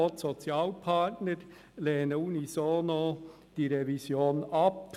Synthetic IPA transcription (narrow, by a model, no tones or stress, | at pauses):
otsɔt͡sjɑːlpʰɑtnəɾ | leːnəunisoːno | d̥iːɾevisjoːnɑp